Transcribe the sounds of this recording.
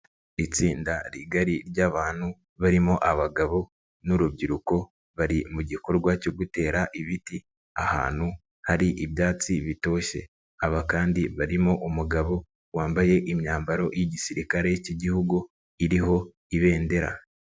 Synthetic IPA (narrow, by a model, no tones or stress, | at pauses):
it͡siːndaɾiɡaɾiɾɟaːβaːn̥hu | βaɾimo̞ʔaβaɡaβo̞ | nuɾubɟiɾuko̞ | βaɾimuɟiko̞ɾɡwaco̞ɡute̞ːɾaʔiβiti | a̰ha̰ːn̥hu | haɾiʔiβjaːt͡siβito̞ːʃe̞̰ | aβakaːndiβaɾimo̞ʔumuɡaβo̞ | waːmbaje̞ʔimɲaːmbaɾo̞jiɟisiɾikaɾe̞jciɟihuɡu | iɾiɦo̞ | iβe̞ːnde̞ɾa̰